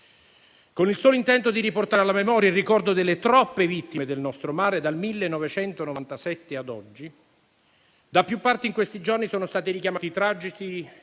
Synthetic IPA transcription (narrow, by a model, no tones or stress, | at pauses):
konilsɔːloint̪ɛnt̪od̪iɾiport̪aɾalːamemɔːɾjailrikɔrd̪od̪elːet̪ɾɔpːevit̪ːimed̪elnɔst̪ɾomaːɾed̪almilːenːɔvet͡ʃɛnt̪onovant̪asɛt̪ːead̪ɔd͡ʒːi | d̪apːjupːart̪iŋkwest̪id͡ʒornisoːnost̪aːt̪iɾikjamaːt̪it̪ɾad͡ʒit͡ʃi